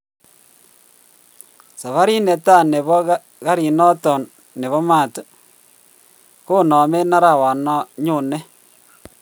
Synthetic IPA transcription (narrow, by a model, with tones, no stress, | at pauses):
sa˨βa˦ɾi˦ne˨ta˦˨ne˨βɔ˦ | ɣa˦ɾi˨nɔ˦tɔ˨nː | e˨βɔ˦ma˦˨t | ko˦˨nɔ˨me˦na˦ɾa˨wa˨nɔ˦ɲu˦˨ne˦